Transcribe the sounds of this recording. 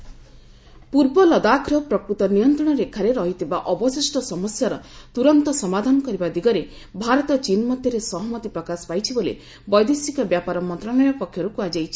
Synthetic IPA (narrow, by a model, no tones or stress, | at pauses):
puɾbɔlɔd̪akʰɾɔpɾɔkɾut̪ɔnijɔnt̪ɾɔɽ̃ɔɾekʰːaɾeɾɔɦit̪ʰibaʔɔbɔsisʈɔsɔmɔsjaɾɔt̪uɾɔnt̪ɔsɔmad̪ʱanɔkɔɾibad̪iɡɔɾe | bʱaɾɔt̪ɔt͡ʃinmɔd̪ʱjɔɾesɔɦɔmɔt̪ipɾɔkasɔ̥pajt͡ʃʰibolḛ | bɔjd̪esikɔbjapaɾɔmɔnt̪ɾalɔjɔpɔkʰjɔɾukuad͡ʒajt͡ʃʰi̥